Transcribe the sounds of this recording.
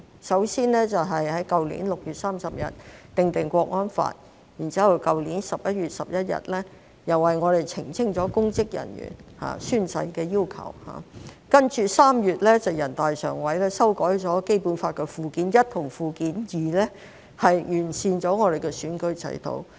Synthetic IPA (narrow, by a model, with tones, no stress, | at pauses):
sɐ˨˥wsiː˥nlɛː˥t͡sɐ˨wɦɐ˨jhɐ˨˥jkɐ˨wlḭː˨˥nlʊ˨k̚jyː˨t̚saː˥msɐ˨p̚jɐ̰˨t̚t̪ɪ˨ŋt̪ɪ˨ŋkʷɔː˧k̚ŋɔː˥nfa̰ː˧˨n̚ | ji˨˩nt͡siː˥hɐ˨wkɐ˨wliː˨˥nsɐ˨p̚jɐ˥t̚ɥyː˨t̚sɐ˨p̚jɐ˥t̚jɐ̰˨t̚lɛː˥ | jɐ˨˩wːɐ˨jŋɔː˨˧ɾe˨jt͡sʰɪ˨˩ŋt͡sʰɪ˥ŋt͡ʃɔː˨˥kʊ˥ŋt͡sɪ˥k̚jɐ̰˨˩njy̰˨˩nha̰ː˨syː˥nsɐ˧jkɛː˧jiː˥wkʰɐ̰˨˩wha̰ː˨˩kɐ˥nt͡ʃyː˨˧saː˥mjyː˨t̚lɛː˥t͡sɐ˨wjɐ˨˩nt̪aː˨jsœ̰ː˨˩ŋwɐ˨˥jlɛː˥sɐ˥wkɔː˨˥jt͡sɔː˨˥ke˥jpuː˨˥nfaː˧t̚kɛː˧fuː˨˧kiː˨˥njɐ˥t̪̚ʰʊ˨˩ŋfuː˨˧kiː˨˥njiː˨lɛː˥ | hɐ˨jjyː˨˩nsiː˨˧nt͡ʃɔː˨˥ŋɔː˨˧ɾe˨jkɛː˧syː˨˥nkɵ˧˥ɥt͡sʰɐ̰˨˥jt̪ʰo̰˨˧˥w